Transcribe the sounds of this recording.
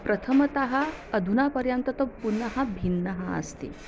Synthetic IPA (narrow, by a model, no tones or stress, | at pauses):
pɾɐt̪ʰɐmɐt̪ɐɦɐɐd̪ʱunapəɾjɐnt̪ɐt̪ɐpunɐɦɐbʱinːɐɦɐə̰st̪ḛ